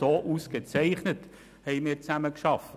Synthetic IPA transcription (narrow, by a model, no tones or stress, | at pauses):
oːʔusɡ̥et͡sɛɪχnət | hɛɪmɪːɾt͡sæməkʃɑft